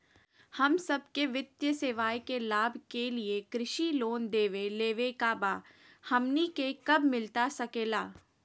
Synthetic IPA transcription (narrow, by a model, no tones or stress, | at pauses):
hɐmsɐb̚keʋɪt̪jəseːʋaːjkelaːbʱkeliekɾɪʃiloːnd̪eːʋeleːʋekaːbaː | hɐmnikekɐbmɪlt̪asɐkeːlaː